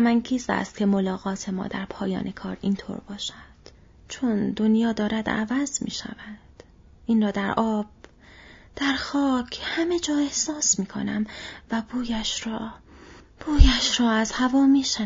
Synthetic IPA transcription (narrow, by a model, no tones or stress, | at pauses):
æmæŋcʰiːsæ̰st̪̚cʲʰe̞mo̞lɒːɣɒːt̪ʰe̞mɒ̰ːd̪æɾpʰɒːjɒ̰ːnʔe̞kʰɒ̰ːɾiːnt̪ʰo̰ːɾbɒːʃæd̪̥ | t͡ʃʰond̪onjɒːd̪ɒːɾæd̪æ̰væzmḭːʃæ̰væd̪̥ | ʔiːnrɒːd̪æɾʔɒːb̥̚ | d̪̥æɾxɒːcʰhæme̞d͡ʒɒːe̞hsɒːsmiːkʰo̞̰næmvæbuːjæʃɾɒː | b̥uːjæʃɾɒːæzhævɒːmiːʃæ